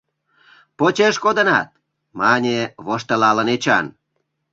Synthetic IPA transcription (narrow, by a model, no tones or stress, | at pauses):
pot͡ɕeʃkod̪ə̆nɑ̰t̪̚ | mɑnʲeβoʃt̪ə̆lɑlə̆net͡ɕɑ̰n